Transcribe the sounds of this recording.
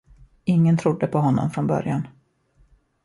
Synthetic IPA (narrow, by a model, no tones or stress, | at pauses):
ɪŋːənt̪ʰɾʊd̪ːəpʰɔɦɔnːɔ̰mfɾɔnbœ̰ɾjan